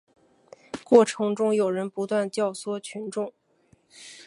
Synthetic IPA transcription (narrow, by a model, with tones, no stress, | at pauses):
kwɔ˥˩ʈ͡ʂʰɤ˧˥ŋʈ͡ʂʊ˥ŋjo˨˩ʊɻə˧˥npu˧˥t̪wa˥˩˧nt͡ɕjɑ˥˩ʊswɔ˥t͡ɕʰy˧˥nʈ͡ʂʊ˥˩ŋ